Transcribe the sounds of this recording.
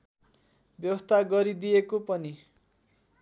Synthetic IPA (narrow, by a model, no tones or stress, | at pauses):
bjʌwʌst̪ʰaɡʌɾid̪ijekopʌni